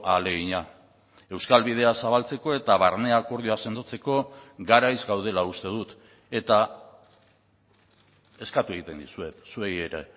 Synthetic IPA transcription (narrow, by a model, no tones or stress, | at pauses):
ale̞ɣiɲa | e̞wskalβið̞e̞asaβalt͡se̞ko̞e̞t̪aβarne̞ako̞ɾð̞ioase̞nd̪o̞t͡se̞ko̞ɡaɾajzɡawð̞e̞laust̪e̞ð̞ut̪ | e̞t̪a | e̞skat̪ue̞ɣ̞it̪e̞nd̪isue̞t̪suejeɾe̞̰